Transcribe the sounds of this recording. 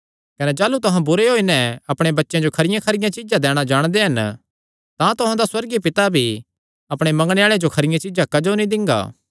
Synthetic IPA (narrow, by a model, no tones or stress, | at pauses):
kɐnɛd͡ʒaːlut̪ʊɦãbʊɾeɦoːinɛ̃ɐpɽ̃ebɐtːʃãd͡ʒokʰɐɾɪjãkʰɐɾɪjãt͡ʃɪd͡ʒãd̪ɛːɽ̃ad͡ʒaːɽ̃d̪eɦɐn | t̪ãt̪ʊɦãd̪aswɐɾɡipɪt̪abʱi | ɐpɽ̃emɐ̃ŋɡɽ̃eaːɭed͡ʒokʰɐɾɪjãt͡ʃɪd͡ʒãkɐd͡ʒonĩd̪ɪ̃ŋɡa̰ː